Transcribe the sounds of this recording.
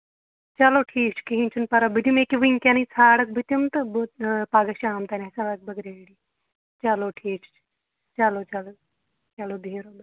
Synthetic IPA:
t͡ʃɐloːʈʰiːk̚t͡ʃʰi̥kiɦĩnʲt͡ʃʰunpɐɾɐbid̪imekiʋiŋkʲɐnit͡sʰaːɽɐk̚bit̪umt̪ɨbopaːɡɐʃaːmt̪ɐnisɐɽɐk̚bɐɡɾeːɽi | t͡ʃɐloːʈʰiːkt͡ʃt͡ʃʰ | t͡ʃɐlot͡ʃɐlo | t͡ʃɐloːd̪ʱeːɾod̪o

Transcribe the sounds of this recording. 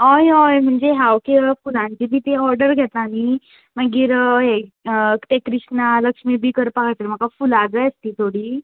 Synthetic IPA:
ɔjɔjm̤əɳd͡zeɦawkefulãɲt͡ɕib̪ʱiːt̪eɔɾɖəɾɡʱɛt̪laːni | maɡiːɾɦet̪ekɾiʂnaləkʂmiːbʱiːkəɾpakajt̪elm̤əkafulad͡zəjəst̪iːt̪ʰoɽiː

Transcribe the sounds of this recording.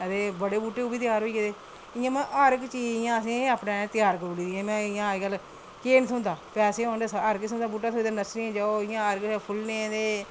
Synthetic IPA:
t̪eːbəɽeːbuːʈːeːuːbiːt̪ɪjaːɾɦoːiːkeːd̪eː | ɪjãːmɛ̃ːʔəɾkt͡ʃiɪjãːəs̬ĩːaːpnẽːt̪ɪjaːɾkəɾoːliːd̪iãːmɛ̃ːɪjãːɡəl | keːnt̪ʰʊ̃nd̪aːpɛːseːõːnd̪esəɾksʊ̃nd̪aːbuːʈːaːt̪ʰoiːd̪aːnəsɾiãːd͡ʒaːoːɪjãːəɾkːpʰʊlnẽːd̪eː

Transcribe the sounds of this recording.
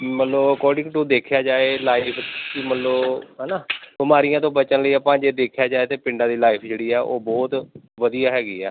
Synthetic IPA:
mət̪ləbəkɔːɖɪ̃ŋɡʈõːd̪eːkʰjaːd͡ʒaːeːlaːɪpʰkɪmət̪ləɦɛːnaːbɪmaːɾijãːt̪̬õːbət͡ʃənləiːaːpãːd͡ʒeːd̪eːkʰjaːd͡ʒaːeːt̪eːpɪ̃ɳɖãːd̪iːlaːɪpʰd͡ʒeːɽiːɛːʔoːbɔːt̪ʋəd̪ijaːɦɛːɡiːɛː

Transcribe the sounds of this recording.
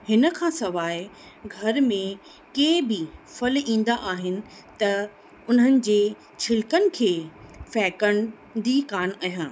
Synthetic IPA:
hɪnə̆kʰãːsɐʋaːɪ | ɡʱɐɾmẽ | keːbɪfɐlĩːn̆d̪aʔaːɦɪnɪ̆ | t̪ɐ | ʊnənɪ̆d͡ʑeː | t͡ɕʰɪlkənɪ̆kʰeːfɛːkəɳ̃ | d̪iːkaːnaːɦjãː

